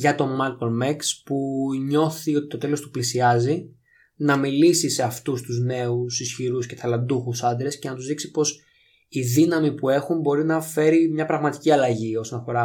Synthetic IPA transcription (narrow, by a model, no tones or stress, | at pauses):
ʝɐt̪o̞mɐlkolmekspuɲo̞θio̞t̪i̥t̪o̞t̪e̞lo̞st̪uplisiɐzi | nɐmilisise̞ɐft̪ust̪uzne̞usisçiɾusce̞θɐlɐnd̪uxusɐnd̪ɾesce̞nɐt̪uzðiksi̥po̞s | iðinɐmipue̞xumbo̞ɾinɐfe̞ɾimɲɐpɾɐɣmɐt̪i̥ciɐlɐʝio̞sonɐfo̞ɾɐ